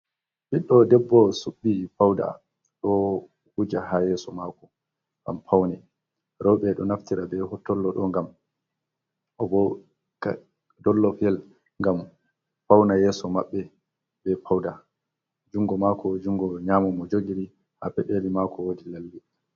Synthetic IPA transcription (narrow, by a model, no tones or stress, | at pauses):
biɗːɔdɛbːɔsuɓːipawda̰ | ɗɔ | hud͡ʒaɦajɛsɔmakɔ | ɡa̰mpʰawnɛ | ɾɔɓɛɗɔnaftiɾabɛhɔtːɔlːɔɗɔŋɡam | ʔɔbɔ | ka | dɔlːɔfiɛl | ŋɡam | pawnajɛːsɔmaɓːɛ | bɛpawda | d͡ʒuŋɡɔmakʰɔd͡ʒuŋɡɔɲaːmɔmɔd͡ʒoɡiɾi | hapɛɗelimakɔwodilalːi